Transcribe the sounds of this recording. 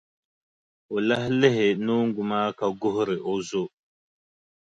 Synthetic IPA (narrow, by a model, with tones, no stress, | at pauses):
o˨la˦hle˦ɦe˨no˦ŋ˦ɡu˨ma˦ka˨ɡo˦hɾe˨ʔo˦zo˦